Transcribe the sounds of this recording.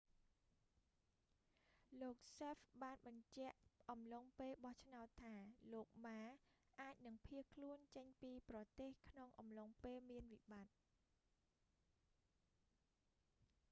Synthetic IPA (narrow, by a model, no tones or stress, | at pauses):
loːk̚sefɓaːnɓɑɲt͡ɕɛ̆əʔʔɑmloŋpeːlɓɑht͡ɕʰnaɔt̪ʰːaːloːk̚maː | ʔaːc̚nɨŋpʰiəhkʰluənt͡ɕəɲpiːprɑt̪eːhkʰnoŋʔɑmloŋpeːlmiənʋiɓat̪̚